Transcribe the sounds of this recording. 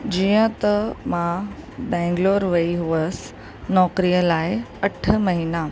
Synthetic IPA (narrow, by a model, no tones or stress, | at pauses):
d͡ʑijə̃t̪əmãbɛ̃ŋɡloːɾʋəiɦuʋəs | nɔkɾijəlaːjəʈʰəməɦina